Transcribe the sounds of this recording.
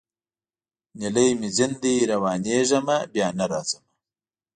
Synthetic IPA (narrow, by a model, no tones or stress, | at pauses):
niləjmizind̪iːɾɐwɑːneːʐɐmɐbjaːnɐɾaːzɐmɐ